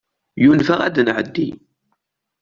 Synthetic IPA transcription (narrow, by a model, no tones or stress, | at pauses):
junfæʁæd̪ənʕəd̪ːi